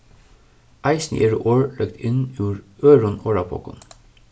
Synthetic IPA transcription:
ʔɑɪsn̰ʔeɹʔoːɹlœkt̪ʰɪnʉːɹøːɹʊnoːɹɑpʰo̰ːkʊ̰n

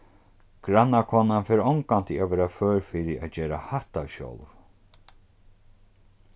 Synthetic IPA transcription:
ɡ̥ɾanːakʰɔːnanfɛːɾɔwŋkant̪ɪaʋɛːɾaføːɹfɪɾɪad͡ʑɛːɾahaht̪awɕɔ̰wlv

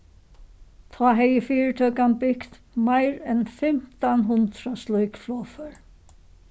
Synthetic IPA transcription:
t̪ʰɑːɦɛjəfiːɹt̪ʰœːkanbɪkt̪ | majɾɛnfɪm̥t̪anɦʊnt̪ɾaslɔjkflɔːfœɹ

